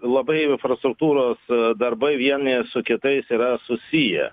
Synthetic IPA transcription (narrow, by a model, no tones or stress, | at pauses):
lˠɐbɐɪɪnfɾɐst̪ɾʊk̚t̪uːɾoːsd̪ɐɾbɐɪʋʲiɛnʲɪsʊkʲɪt̪ɐɪsiːɾɐsʊsʲijɛ̰